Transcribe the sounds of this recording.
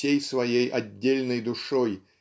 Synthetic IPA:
ejsvɐjejʔɐdʲːelʲnəjd̪ʊʂoj

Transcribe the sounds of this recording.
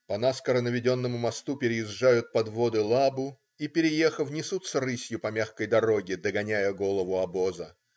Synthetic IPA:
pɐnaskəɾənəvʲɪdʲo̞nːəmʊmɐst̪upʲɪɾʲɪɪzʐajʊt̪̚pɐd̪vo̞d̪ɨlˠabʊ | ipʲɪɾʲɪje̞xəvnʲɪsut̪səɾɨsʲjʊpɐmʲaxkəjd̪ɐɾo̞ɡʲɪd̪əɡɐnʲæjəɡo̞lˠəvʊɐbo̞zə

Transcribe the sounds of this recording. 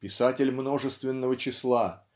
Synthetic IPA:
pʲɪsatʲɪlʲmno̞ʐɨst̪vʲɪnːəvət͡ɕɪslˠa

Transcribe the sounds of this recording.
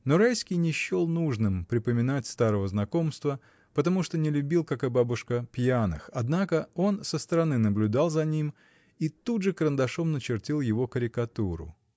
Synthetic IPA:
noɾajskʲɪjnʲɪɕːo̞lˠnuʐnɨmpɾʲɪpəmʲɪnatʲst̪aɾəvəznɐko̞mst̪və | pət̪ɐmuʂt̪o̞nʲɪlʲʉbʲilˠkakɨbabʊʂkəpʲjanɨ̰xɐd̪nakəo̞nsəst̪əɾɐnɨnəblʲʉd̪alˠzɐnʲim | it̪udʐɨkɾənd̪ɐʂo̞mnət͡ɕɪrtʲilˠjɪvo̞kəɾʲɪkɐt̪uɾʊ̰

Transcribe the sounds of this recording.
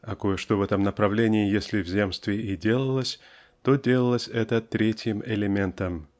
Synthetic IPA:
ɐkojəʂt̪o̞vɛt̪əmnəpɾɐvlʲenʲɪɪjesʲlʲɪvzʲe̞mst̪vʲɪɪdʲe̞lˠəlˠəsʲ | t̪odʲe̞lˠəlˠəsʲɛt̪ət̪ɾʲetʲjɪmɪlʲɪmʲe̞nt̪əm

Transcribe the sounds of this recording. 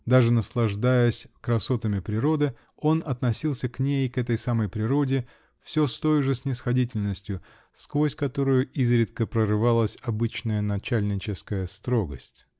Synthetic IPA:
d̪aʐɨnəslˠɐʐd̪ajəsʲkɾɐso̞t̪əmʲɪpɾʲɪɾo̞d̪ɨ | o̞nɐt̪nɐsʲilˠsʲəknʲejkɛt̪əjsaməjpɾʲɪɾo̞dʲɪ | fsʲɵ̞st̪o̞jʊʐɨsʲnʲɪsxɐdʲitʲɪlʲnəsʲtʲjʊ | skvo̞sʲkɐt̪o̞ɾʊjʊizɾʲɪt̪̚kəpɾərɨvalˠəsʲɐbɨt͡ɕnəjənɐt͡ɕælʲnʲɪt͡ɕɪskəjəst̪ɾo̞ɡəsʲtʲ

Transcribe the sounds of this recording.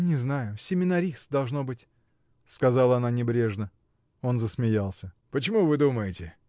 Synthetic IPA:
nʲɪznajʊsʲɪmʲɪnɐɾʲist̪d̪ɐlˠʐno̞bɨtʲ | skɐzalˠəɐnanʲɪbɾʲe̞ʐnə | o̞nzəsmʲɪjalˠsʲə | pət͡ɕɪmuvɨd̪uməjɪtʲɪ

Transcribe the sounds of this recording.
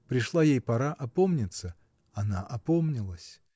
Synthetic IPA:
pɾʲɪʂlˠajejpɐɾaʔɐpomnʲɪt̪sə | ɐnaʔɐpomnʲɪlˠəsʲ

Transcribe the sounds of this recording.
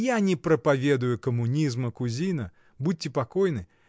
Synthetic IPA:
janʲɛpɾɐpavʲed̪ʊjʊkɐmunʲizmɐkuzʲinɐ | but̚ʲːɪpakɔjnɨ

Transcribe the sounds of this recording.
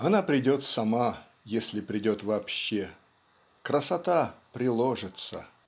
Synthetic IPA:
ɐnapɾʲɪdʲo̞t̪sɐma | jesʲlʲɪpɾʲɪdʲo̞t̪vɐːpɕːe | kɾəsɐt̪apɾʲɪlˠoʐɨt̪sə̰

